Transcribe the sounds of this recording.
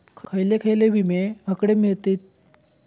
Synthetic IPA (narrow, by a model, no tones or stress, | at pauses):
kkʰəjlekʰəjlebʱimeɦəkɽemiɭt̪et̪̚